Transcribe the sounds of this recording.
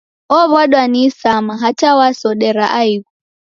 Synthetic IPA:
ɔβwaɗwanisamaɦat͡ʃawasɔɗɛɾaʔaiɣu

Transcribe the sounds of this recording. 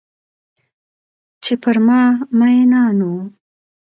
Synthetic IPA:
t͡ʃepəɾmɑmajnɑnu

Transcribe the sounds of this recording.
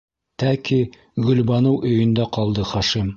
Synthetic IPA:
t̪æki | ɡɵ̆lbɑnɤwʔɵ̆jɵ̆nd̪æqɒlˠd̪ɤχɑʃim

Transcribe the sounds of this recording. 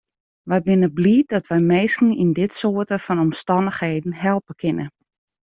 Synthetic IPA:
ʋɛjbɪnəbliːt̚dɔtʋɛjmeːskn̩indɪtsoətəfɔnɔmstɑndəxheːdn̩ɦɛlˠpəkʰɪnə

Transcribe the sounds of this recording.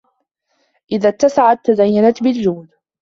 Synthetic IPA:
ʔɪðat̪ːasaʕat̪ːazajːanat̪bɪld͡ʒuːd̪

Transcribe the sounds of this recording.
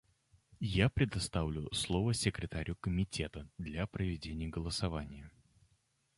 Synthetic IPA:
japɾʲɪd̪ɐst̪avlʲʊ̰slˠovəsʲɪkɾʲɪt̪aɾʲʊkəmʲɪtʲe̞t̪əd̪lʲapɾəvʲɪdʲenʲɪjəɡəlˠəsɐvanʲɪjə

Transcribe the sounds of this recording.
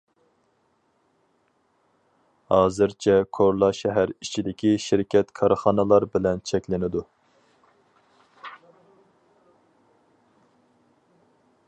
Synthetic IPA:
hɑːzɨɾt͡ʃʰɛkʰoɾlˠɑʃɛɦæɾit͡ʃʰid̪ɪkʲʰiʃiɾkʲʰɛt̪kʰɑɾχɑnɨlˠɑɾbɪlɛnt͡ʃʰɛkʲlɪnɪd̪u

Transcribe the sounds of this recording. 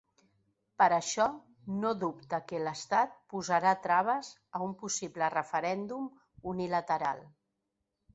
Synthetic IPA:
pəɾəʃɔ | noðupt̪əkələst̪at̪̚puzəɾat̪ɾaβ̞əz | əumpusiβlərəfəɾɛnd̪um | unilət̪əɾa̰lˠ

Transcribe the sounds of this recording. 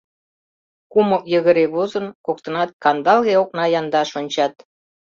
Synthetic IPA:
kumokjəɣəɾeβozənkok̚t̪ə̆nɑt̪̚kɑnd̪ɑlɣeok̚nɑjɑnd̪ɑʃonʲt͡ɕɑt̪̚

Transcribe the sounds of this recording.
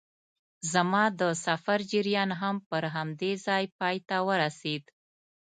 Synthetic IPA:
zamɑd̪əsafaɾd͡ʒiɾjɑnɦampəɾɦamd̪ezɑjpɑjt̪awəɾased̪

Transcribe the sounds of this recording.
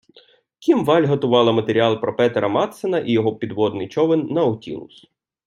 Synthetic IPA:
kʲimʋɑlʲɦɐt̪ʊʋɑlˠɐmɐt̪eɾʲiɑlˠpɾɔpɛt̪eɾɐmɑt̪senɐʔijɔɦɔpʲid̪ʋɔd̪nɪjt͡ʃɔʋɪnːɐɔtʲḭlˠʊ̰s

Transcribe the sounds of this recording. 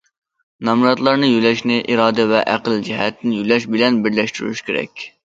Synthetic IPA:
nɑmɾɑt̪lˠɑɾnɨjylɛʃnɪʔiɾɑːd̪ɪvɛʔæqəlˠd͡ʒiɦɛt̪ʰːɪnɪjylɛʃbɪlɛnbɪɾlɛʃt̪yɾy̰ʃkʲʰeɾɛ̰kʲ

